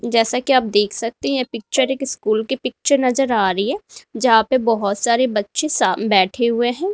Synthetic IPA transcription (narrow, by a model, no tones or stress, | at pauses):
d͡ʒɛːsakiaːp̚d̪eːkʰsɐk̚t̪eɦɛ̃pɪk̚t͡ʃəɾeːkɪskuːlkepɪk̚t͡ʃəɾnɐzəɾaːɾɐiɦɛ̃ːd͡ʒɐɦãpebɔɦɔt̪saːɾebɐtːʃẽsabɛːʈʰeɦʊeɦɛ̃ː